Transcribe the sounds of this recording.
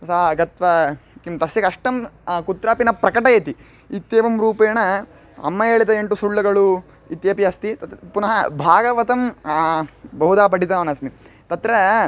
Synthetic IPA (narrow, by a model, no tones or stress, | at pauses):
saɡɐt̪ʋɐkimt̪ɐsjɐkɐʂʈɐmkut̪ɾaːpinɐpɾɐkɐʈɐjɐt̪i | it̪jeːʋɐmɾuːpɐːɳɐ | ɐ̰mːɐeːɭid̪ɐeɳʈusuɭːɐɡɐɭu | it̪jɐːpiɐst̪it̪punɐɦɐbʱaːɡɐʋɐt̪ɐm | bɐɦud̪aːpɐʈit̪aːʋɐnɐsmit̪ɐt̪ɾɐ